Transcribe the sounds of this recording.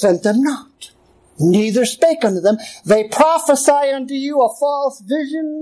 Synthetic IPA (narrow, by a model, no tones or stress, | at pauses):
sɛ̃nðɨ̃mnət̚ | niðə˞speɪkʌ̃ntʉðɨ̃mðeɪpʰɹ̥ɑfəsaɪʌ̃ntʉjəəfɔlˠsvɪʒɨ̃n